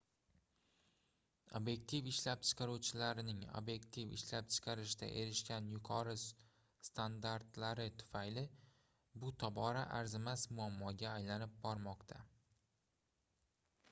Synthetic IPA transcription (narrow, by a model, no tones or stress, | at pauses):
o̰bje̞k̚t̪ʰifɪʃlap̚t͡ʃʰɨ̥qʰɑɾuwt͡ʃʰɪlaɾɪnɪŋo̰bje̞kt̪ʰifɪ̰ʃlap̚t͡ʃʰɨ̥qʰɑɾɪʃd̪a̰ʔe̞ɾɪʃkʲanjʊqʰɒɾɪ | st̪ʰand̪aɾt̪laɾɪt̪ʰʊ̥fajlɪ | bʊt̪ʰɒbɒɾaʔaɾzɪmasmʊamːɒɡʲaːjlanɪp̚bɒɾmɒqt̪ʰa